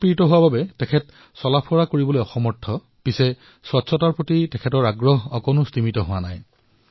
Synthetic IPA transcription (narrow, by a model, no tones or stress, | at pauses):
pɹitɔɦʊwababɛtɛkʰɛt | sɔlapʰɔɹakoɹibɔlojɔxɔmɔɹtʰːɔ | pisɛ | swɔtsɔtaɹpotitɛkʰɛtɔɹaɡɹɔɦɔkɔnʊstimitɔɦʊwanaj